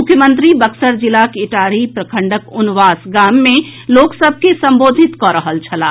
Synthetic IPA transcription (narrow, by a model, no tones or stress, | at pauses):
ʊkʰjəmə̃nt̪ɾibəksəɾd͡ʒilakɪʈaːɾipɾəkʰəɳɖəkʊnʋaːsɡaːmːẽloːksəbʱkesə̃mboːd̪ʱit̪kɔɾəɦəlt͡ʃʰəlaː